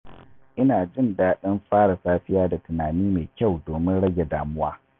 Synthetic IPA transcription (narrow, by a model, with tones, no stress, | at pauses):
ʔɪ˦naː˨d͡ʒɪ˦˨ndaː˦ɗɐ˦mɸaː˦ɽa˨saː˦ɸɪ˦jaː˦da˨tʊ˨naː˨niː˦me˨kʲa˦˨wdoː˨mɪ˦nɽɐ˦ɡʲe˨daː˨mʊ˦waː˦